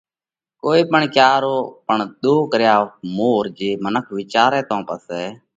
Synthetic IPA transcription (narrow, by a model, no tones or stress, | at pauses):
koːiːpəɳkjaːɾoːpəɳɗ̪oːkəɾjaːmoːɾd͡ʒeːmənəkʰʋɪt͡ʃaːɾɛːt̪õːpəsɛː